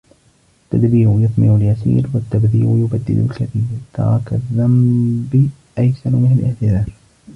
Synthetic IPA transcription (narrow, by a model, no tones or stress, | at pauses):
ʔʔat̪ːad̪biːʔʊjʊθmɪʕʊljasḭːɾwat̪ːabðiːʔjʊbad̪ːɪ̰d̪ʊ̰lkaθiːɾt̪ɑ̰ɾˤɑkaðːambi | ʔajsaɾmɪnalʔɪ̰ʕt̪ɪðaːf